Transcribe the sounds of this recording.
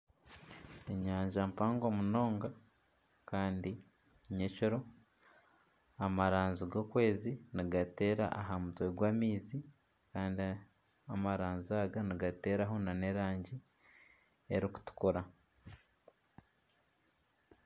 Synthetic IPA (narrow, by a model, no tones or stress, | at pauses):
eɲaːɲʒampaːŋɡomuno̞ːŋɡa | kaːndi | ɲecoɾo̞ | amaɾaːnziɡo̞ːkwe̞ːziniɡate̞ːɾa̰ʔaɦamutweɡwaːmiːzi | kaːndi | amaɾaːnzaːɡaniɡate̞ːɾaɦo̞nane̞ɾaːɲɟi | eɾiku̥tu̥kuɾa